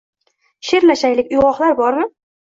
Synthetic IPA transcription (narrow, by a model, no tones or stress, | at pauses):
ʃeɾlaʃajlɪkʲʊjʁɒχlaɾbɒɾmɪ